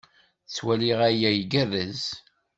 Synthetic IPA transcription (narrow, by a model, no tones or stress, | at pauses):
t͡sːwæliʁæjæjɡərːæz